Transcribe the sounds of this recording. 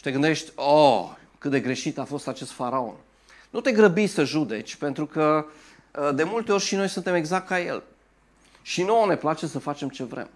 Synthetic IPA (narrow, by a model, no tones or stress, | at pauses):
t̪e̞ɡɨnd̪eʃt̪ʲo | kɨt̪̚d̪e̞ɡɾe̞ʃit̪afo̞st̪at͡ʃe̞st̪faɾao̞̰n | nut̪e̞ɡɾəbijsəʒud̪e̞t͡ʃʲpe̞nt̪ɾukə | d̪e̞mult̪eo̞rʲʃino̞jsunt̪e̞meɡzak̚t̪kaje̞̰l | ʃinone̞plat͡ʃe̞səfat͡ʃe̞mt͡ʃe̞vɾe̞̰m